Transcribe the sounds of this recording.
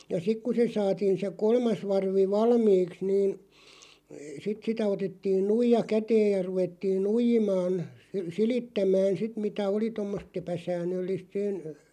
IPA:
jɑ sik ku se sɑːtiːn se kolmɑs ʋɑrʋi ʋɑlmiːks niːn sit sitæ otetːiːn nuijɑ kæteːj jɑ ruʋetːiːn nuijimɑːn silitːæmæːn sit mitæ oli tomːost epæsæːnˑølːiˑst sen

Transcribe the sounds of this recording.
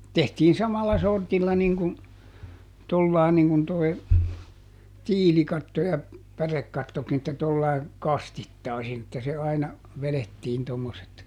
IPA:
tehtiː sɑmɑlːɑ sortilːɑ niŋ kun tolːɑˑi̯ niŋ kun toi̯ tiːlikɑtːo jɑ pærekːɑtːokin etːæ tolːɑi̯ kɑstitːɑˑisin etːæ se ɑinɑ ʋeletːiːn tomːoset

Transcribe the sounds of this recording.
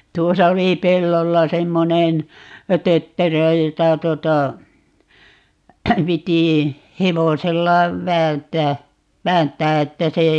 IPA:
tuosɑ oli pelːolːɑ semːonen tøtːerø jotɑ tuŏtɑ piti heʋoselːɑ ʋæːntˑæː ʋæːntˑæː etːæ se

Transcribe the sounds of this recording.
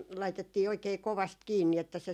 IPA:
lɑitetːiː oikeː koʋɑst kiːnːi etːæ se

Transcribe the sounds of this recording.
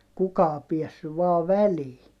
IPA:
kukɑː piɛsːyʋ ʋɑː ʋæliː

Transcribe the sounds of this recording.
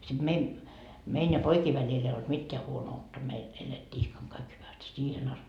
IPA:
sid̥ mein mein jɑ poikiː ʋælil ei olt mitːeæ huonoutːɑ meil eletːiː ihkɑŋ kɑik hyʋæst siːhen ɑst

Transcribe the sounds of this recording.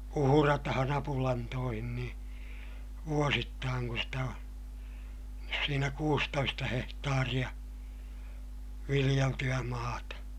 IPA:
uhurɑtɑhɑn ɑpulɑntoːhin niː ʋuositːɑːŋ kun̞ stæ o siːnæ kuːstoistɑ hehtɑːrij̆ɑ ʋilij̆eltyæ mɑːtɑ

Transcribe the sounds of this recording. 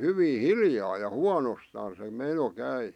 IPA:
hyʋiː hiljɑː jɑ huɑnostɑːn se meno kæi

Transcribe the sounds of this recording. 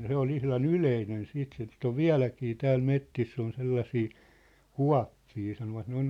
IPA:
se ol ihlɑn yleinen siːt sit oʋ ʋiæ̝lækiː tæːl metːisː on selːɑsiː kuɑ̝pːiː sɑnoʋɑt ne on

